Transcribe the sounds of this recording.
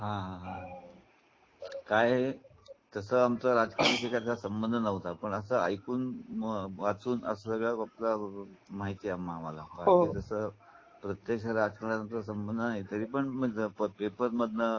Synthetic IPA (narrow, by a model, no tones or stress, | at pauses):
ɦãɦãɦã | kaje | t̪əsəːamt͡səɾad͡zkaɾiːɕekaɾt͡sasəmbənd̪ʱənəʋt̪apəɳəsəːa̰jkuːn | ʋat͡suːnə̰səsəɡɭakaplamaɦit̪iamːamalabakit̪əsəː | pɾət̪jəkɕəɾad͡zkalanənt̪əɾsəmbənd̪ʱənaɦit̪əɾiːpəɳm̤əəpəpepəɾməd̪ʱnə